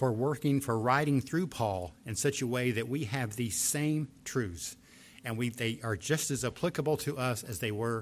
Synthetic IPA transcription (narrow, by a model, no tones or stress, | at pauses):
fə˞wɜ˞kɪ̃ŋfə˞ɹaɪɾɪ̃ŋθɹʉpʰɔlˠɨ̃nsʌt͡ʃɨweɪðɨt̚wiɨvðiz̥sẽɪ̃mtʰɹ̥ʉz̥ | ɨ̃nwiðeɪʔə˞d͡ʒʌstɨzəpʰl̥ɪkəbl̩ˠtʰɨʔʌsɨzðeɪwə˞